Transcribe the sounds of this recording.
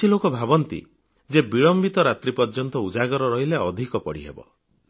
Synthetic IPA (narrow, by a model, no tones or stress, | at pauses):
ilokɔbʱabɔnt̪ḭ | d͡ʒebiɭɔmbit̪ɔɾat̪ɾipɔɾd͡ʒɔnt̪ɔud͡ʒaɡɔɾɔɾɔɦileɔd̪ʱikɔpɔɽḭɦḛbɔ̰